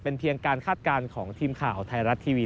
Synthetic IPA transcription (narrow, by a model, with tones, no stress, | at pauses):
pe˧npʰi˧əŋkaː˧nkʰaː˥˩t̪̚kaː˧nkʰɔː˩˦ŋt̪ʰiː˧mkʰaː˨˩wt̪ʰa˧jɾa˦˥t̪ʰːiː˧wi˦